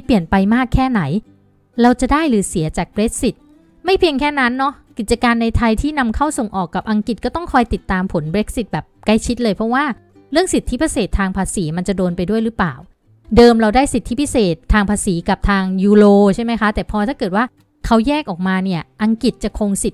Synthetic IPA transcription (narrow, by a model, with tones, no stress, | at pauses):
pli˨˩ənpa˧jmaː˥˩kʰːɛː˥˩na˩˦j | ɾa˧wt͡ɕa˨˩daː˥˩jlɯː˨˩˦si˩˦ɐt͡ɕaː˨˩k̚bɾe˦˥k̚si˨˩t̪̚ | ma˥˩jpʰi˧əŋkʰɛː˥˩na˦˥nːɔ˦˥ki˨˩t̪̚t͡ɕa˧kaː˧nːa˧jt̪ʰa˧jt̪ʰiː˥˩na˧mkʰa˥˩wso˨˩ŋʔɔː˨˩kːa˨˩p̚ʔa˧ŋki˨˩t̪̚kɔː˥˩t̪ɔ˥˩ŋkʰɔː˧jt̪i˨˩t̪ːaː˧mpʰo˩˦nbɾe˦˥k̚si˨˩t̪̚bɛː˨˩p̚ka˥˩jt͡ɕʰi˦˥t̪̚lɤː˧jpʰɾɔ˦˥waː˥˩ | ɾɯ˥˩əŋsi˨˩t̪ʰːi˦˥pʰa˧seː˨˩t̪ʰːaː˧ŋpʰaː˧siː˩˦ma˧nt͡ɕa˨˩doː˧npa˧jdu˥˩əjɾɯː˦˥pla̰ː˨˩w | dɤː˧mɾa˧wdaː˥˩jsi˨˩t̪ʰːi˦˥pʰi˦˥seː˨˩t̪ʰːaː˧ŋpʰaː˧siː˩˦ka˨˩p̚t̪ʰaː˧ŋjuː˧loː˧t͡ɕʰa˥˩jma˦˥jkʰa˦˥t̪ɛː˨˩pʰɔː˧t̪ʰaː˥˩kɤː˨˩t̪̚waː˥˩ | kʰa˦˥wjɛː˥˩k̚ʔɔː˨˩k̚maː˧ni˥˩ɐʔa˧ŋki˨˩t̪̚t͡ɕa˨˩kʰo˧ŋsi˨˩t̪̚